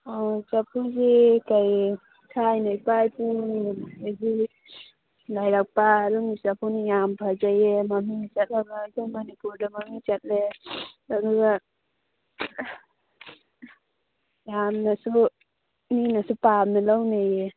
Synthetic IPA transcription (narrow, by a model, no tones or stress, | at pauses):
ɔt͡ʃapʰuzikaj | sʰajnajpajpunezi | lajɾak̚paɾumisapʰuwnijampʰazajemamit͡ʃat̚laɡazamanipuɾdamamit͡ʃat̚lelaɡuɡa | jamnasu | ninasupamilawnaje